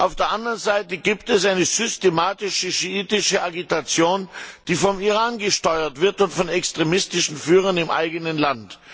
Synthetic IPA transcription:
ʔaʊfd̥eːɐʔandɐʁənzaɪtəɡiːptɛsʔaɪnəzʏstemaːtɪʃəʃiiːtɪʃəʔaɡitat͡sjoːnd̥iːfɔmiʁaːnɡəʃtɔʏɐtv̥ɪɐtʊntfɔnɛkstʁ̥emɪstɪʃn̩fyːʁ̞ɐnɪmʔa̰ɪɡənənlant

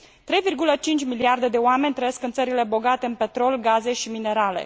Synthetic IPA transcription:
t̪ɾe̞jvirɡulət͡ʃint͡ʃʲmiliard̪e̞d̪e̞oame̞nʲt̪ɾəjeskɨnt̪səɾile̞bo̞ɡat̪e̞ɨnpe̞t̪ɾo̞lɡaze̞ʃimine̞ɾale̞̰

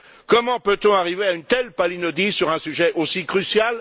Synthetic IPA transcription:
kɔmɑ̃pøt̪ɔ̃aʁiveaynt̪ɛlpalinɔd̪isyʁɛ̃syʒɛʔosikχysjal

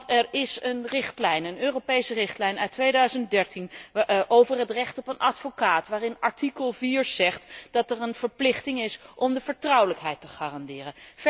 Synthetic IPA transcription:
ɛɹɪsənrɪχtlɛjnənøːropejsərɪχtlɛjnœɥtːʋejdœɥzəntdɛɹtinʔowvəɹɦətrɛχtɔpənʔɑtfokaːtʋaːrɪnɑɹtikəlˠviːɹz̥ɛχtd̥ɑtɛrənv̥əɹplɪχtɪŋɪsʔɔmdəvəɹtrʌwləkɦɛjtə̥χaːrɑndɪːrən

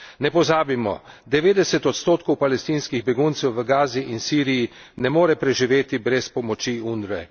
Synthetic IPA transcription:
nɛpɔzaːbimɔ̰ | d̪ɛʋeːd̪ɛsɛt̪ɔt̪st̪oːt̪̚kɔwpalɛst̪iːnskiɣbɛɡunt̪sɛwʋəɡaːziʔinsiːɾiji | nɛmoːɾɛpɾɛʒiʋeːt̪ibɾɛspɔmɔt͡ʃiund̪ɾɛ

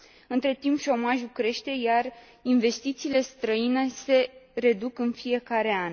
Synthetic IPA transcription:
ɨnt̪ɾe̞t̪impʃo̞maʒulkɾe̞ʃt̪e̞jar | inve̞st̪it̪siːle̞st̪ɾəinese̞ɾe̞d̪ukɨnfije̞kaɾe̞an

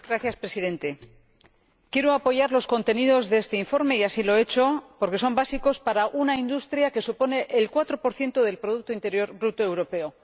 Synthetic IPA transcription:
ɡɾaθjaspɾe̞siðe̞nt̪e̞ | kje̞ɾoapo̞ʝaɾlo̞sko̞nt̪e̞niðo̞zðee̞st̪eiɱfo̞ɾme̞iasilo̞e̞t͡ʃo̞po̞ɾke̞so̞mbasiko̞spaɾaʔunaind̪ust̪ɾjake̞supo̞ne̞ʔelkwat̪ɾo̞po̞ɾθje̞nt̪oðe̞lpɾo̞ðuk̚t̪oint̪e̞ɾjo̞ɾbɾut̪oe̞wɾo̞pe̞o̞

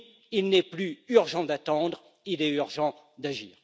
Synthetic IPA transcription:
ilnɛplyyʁʒɑ̃d̪at̪ɑ̃d̪ʁ | ilɛyʁʒɑ̃ | d̪aʒḭːʁ

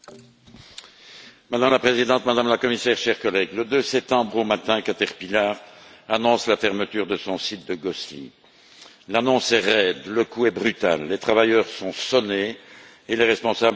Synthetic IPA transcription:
mad̪amlapχezid̪ɑ̃t̪mad̪amlakɔmisɛʁʃɛʁkɔlɛɡləd̪øsɛp̚t̪ɑ̃bʁomat̪ɛ̃kat̪ɛʁpilaʁanɔ̃slafɛʁmət̪yːʁd̪əsɔ̃sit̪̚d̪əɡɔslḭ | lanɔ̃sɛʁɛd̪ləkuɛbʁyt̪a̰lːet̪χavajœʁsɔ̃sɔneː | leʁɛspɔ̃sab

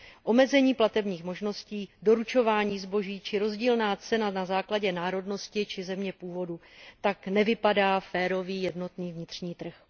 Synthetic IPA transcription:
ʔo̞mɛzɛɲiːplat̪ɛbɲiːxmo̞ʒno̞sciːdo̞ɾut͡ʃo̞vaːɲiːzbo̞ʒiːt͡ʃɪɾo̞zɟiːlnaːt͡sɛnanazaːklaɟɛnaːɾo̞dno̞scɪt͡ʃɪzɛmɲɛpuːvo̞dut̪aknɛvɪpadaːfɛːɾo̞viːjɛdno̞t̪niːvɲɪt̪r̝̥ɲiːt̪r̩x

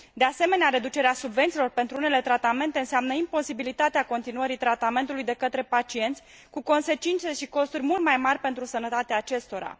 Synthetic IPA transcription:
d̪ease̞me̞neaɾe̞d̪ut͡ʃe̞ɾeasubvent̪silo̞rpe̞nt̪ɾuune̞le̞t̪ɾat̪ame̞nt̪e̞ɨnseamnəimpo̞sibilit̪at̪eako̞nt̪inuəɾit̪ɾat̪ame̞nt̪ulujd̪e̞kət̪ɾe̞pat͡ʃie̞nt̪sʲ | kuko̞nse̞t͡ʃint̪se̞ʃiko̞st̪urʲmult̪majmarʲpe̞nt̪ɾusənət̪at̪eaːt͡ʃe̞st̪o̞ɾa̰

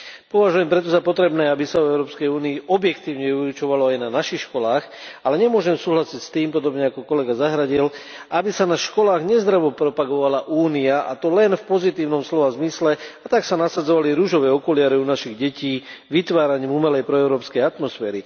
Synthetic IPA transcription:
pɔʋaʒujɛmpɾɛt̪ɔzapɔt̪ɾɛbnɛːabisaɔɛʊɾɔːpskɛjuːniːʔɔbjɛkt̪iːʊɲɛuɾut͡ʃɔʋalɔajnanaʃixʃkɔlaːxalɛɲɛmʊɔʒɛmsuːɦlasicst̪iːmpɔd̪ɔbɲɛakɔkɔlɛɡazaɦɾaɟil | ʔabisanaʃkɔlaːɣɲɛzd̪ɾaʋɔpɾɔpaɡɔʋalaʔuːniaʔa̰t̪ɔlɛnfpɔzit̪iːʊnɔmslɔʋazmislɛat̪aksanasad͡zɔʋaliɾuʒɔʋɛːɔkɔlɪaɾɛunaʃiɣɟɛciːʋit̪ʋaːɾaɲiːmumɛlɛjpɾɔɛʊɾɔːpskɛjat̪mɔsfɛːɾi

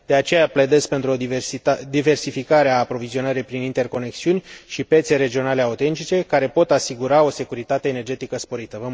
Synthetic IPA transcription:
d̪̥e̞at͡ʃe̞japled̪e̞spe̞nt̪ɾuod̪ive̞rsifikaɾeaːpɾo̞vizio̞nəɾijpɾinint̪e̞rko̞ne̞ksiunʲʃipje̞t̪se̞ɾe̞d͡ʒio̞nale̞aut̪e̞nt̪it͡ʃe̞kaɾe̞po̞t̪asiɡuɾao̞se̞kuɾit̪at̪e̞ːne̞rd͡ʒe̞t̪ikəspo̞ɾit̪əvə

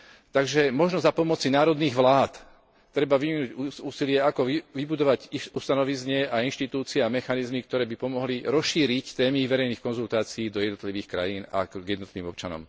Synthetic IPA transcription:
t̪aɡʒɛmɔʒnɔzapɔmɔt͡sinaːɾɔd̪niːɣʋlaːt̪ | t̪ːɾɛbaʋiminuɟuːsilɪɛakɔiʋibud̪ɔʋaɟiust̪anɔʋizɲɪɛainʃt̪it̪uːt͡sɪɛamɛxanizmik̚t̪ɔɾɛːbipɔmɔɦliɾɔsʃiːɾict̪ɛːmiʋɛɾɛjniːxkɔnzult̪aːt͡siiːd̪ɔjɛd̪nɔt̪liʋiːxkɾa̰jiːna̰ɡjɛd̪nɔt̪liʋiːmɔp̚t͡ʃanɔ̰m

